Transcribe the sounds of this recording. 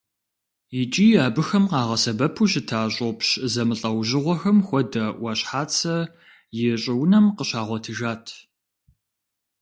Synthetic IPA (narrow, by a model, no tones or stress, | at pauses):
jɪt͡ʃʼiːaːbɨxɐmqɑːʁɐsɐbɐpʰuɕɪtʰaːɕʼopɕzɐmɨɬʼɐwʑɪʁʷɔxɐmxʷɔdɐwɐɕħaːt͡sʰɐ | jɪɕʼɪwnɐmqəɕaːʁʷɔtʰɨʒaːtʰ